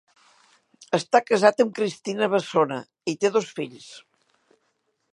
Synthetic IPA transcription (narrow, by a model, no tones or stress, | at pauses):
əst̪akəzat̪əmkɾist̪inəβəsonə̰ | it̪eðosfiʎs